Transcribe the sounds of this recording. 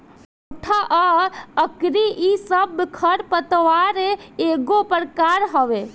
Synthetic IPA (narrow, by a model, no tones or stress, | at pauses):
oʈʰaʔəəkɾiʔisəbkʰəɾpət̪ʋaɾeeɡopəɾkaɾɦəʋe